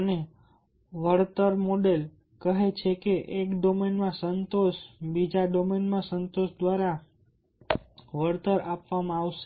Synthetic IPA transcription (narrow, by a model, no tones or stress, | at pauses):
əne | ʋəɽt̪əɾmoɖel | kəɦet͡ʃʰekeʔekɖomenmãsənt̪oʃbid͡ʒaɖomenmãsənt̪oʃd̪ʋaɾa | ʋəɽt̪əɾapʋamãːʋʃe̥